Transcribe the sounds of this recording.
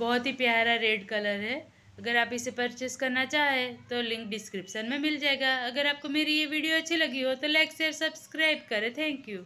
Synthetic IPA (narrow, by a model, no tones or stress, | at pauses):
bɔːʊt̪ɦipjaːɾaɾeːɖkɐləɾɦɛː | ɐɡəɾaːpɪsepɐɾt͡ʃɪskɐɾnat͡ʃaːɦet̪olɪ̃ŋk̚ɖɪskɾɪpʃənmẽmɪld͡ʒaːeɡaɐɡəɾaːp̚komeːɾijeʋiːɖijoɐtːʃʰilɐɡiɦot̪olɛːkseɾsɐbskɾaːɪb̚kɐɾẽt̪ʰɛ̃ːŋkjuː